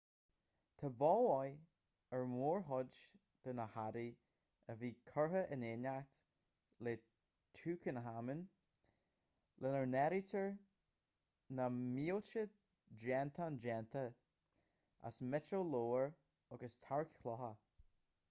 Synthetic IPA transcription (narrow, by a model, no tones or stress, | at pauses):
t̪ʰəbɔːɔj | ɛɹmuːɹɦɔd͡ʒ | d̪̥ənəhaɾi | əviːkʰɔɹɦəʔɪnenakt̪ | le | tʰuːkʰənɦamɪn | lʔɛnəɹnɛɾitʰəɹ | namiːot͡ʃə | d͡ʒɛnt̪ʰand͡ʒɛnt̪ʰə | a̰smɛtoloːəɹ | ɔɡəst̪ʰaɹkkʰlɔɦə